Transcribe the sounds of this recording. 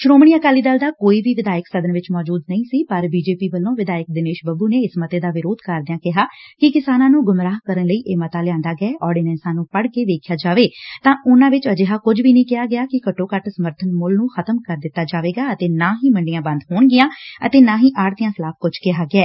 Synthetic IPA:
ʃɾoːmɳ̃iːəkaːliːd̪əːld̪aːkoːiːʋiːʋɪd̪aːjəksəd̪ənʋɪt͡ʃmɔːd͡ʒuːd̪nəĩːsiːpəɾbiːd͡ʒeːpiːbəlːõːʋɪd̪aːjək̚d̪ɪneːʃbəbuːneːɪsmət̪eːd̪aːʋɪɾoːd̪kəɾd̪ɪjãːkɪɦaːkɪkɪsaːnãːnũːɡʊmɾaːɦkəɾənləiːʔeːmət̪aːlɪjãːnd̪aːɡɛːʔɔːɖiːnɛ̃ːnsãːnũːpəɽkeːd̪eːkʰjaːd͡ʒaːʋeːt̪ãːʔʊnãːʋɪt͡ʃəd͡ʒeːɦaːkʊd͡ʒʋiːnəĩːkɪaːɡɪaːkɪkəʈːõːkəʈsəməɾt̪ʰənmʊlnũːxʰət̪əmkəɾd̪ɪt̪ːaːd͡ʒaːʋeːɡaːət̪eːnaːɦĩːməɳɖɪjãːbə̃nd̪ɦoːɳɡɪjãːə̰t̪eːnãːɦĩːʔaːɽt̪ijãːsəlaːp̚kʊd͡ʒkɪɦaːɡɪɛː

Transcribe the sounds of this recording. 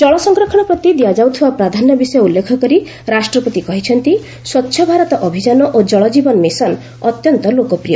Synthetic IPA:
d͡ʒɔɭɔsɔŋɡɾɔkʰɔɽ̃ɔpɾɔt̪id̪iad͡ʒawt̪ʰibapɾad̪ʱanːɔbisɔjɔulːekʰɔkɔɾi | ɾasʈɾɔpɔt̪ikɔɦit͡ʃʰɔnt̪i | swɔt̪ːʃʰɔbʱaɾɔt̪ɔʔɔbʱid͡ʒanɔʔod͡ʒɔɭɔd͡ʒibɔnmisɔn | ɔt̪jɔnt̪ɔlokɔpɾijɔ

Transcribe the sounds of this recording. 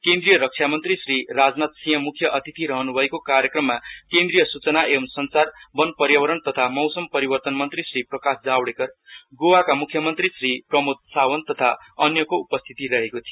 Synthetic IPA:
kend̪rijʌɾʌk̚t͡ʃʰjamʌnt̪risrirad͡znat̪sijʌ̃mukʰːjʌʔʌt̪it̪ʰiɾʌɦʌnubʱʌekokaɾjʌkrʌmːakẽnd̪rijʌsut͡sʌnaʔeʌmsʌnt͡sarbʌnpʌɾjʌwʌɾʌnt̪ʌt̪ʰamʌwsʌmpʌɾibʌrt̪ʌnmʌnt̪risriprʌkasd͡zawɽekʌrɡowakamukʰjʌmʌnt̪risriprʌmut̪̚sawʌnt̪ʌt̪ʰaʌnjʌkoupʌst̪ʰi̥t̪iɾʌɦekot̪ʰijo

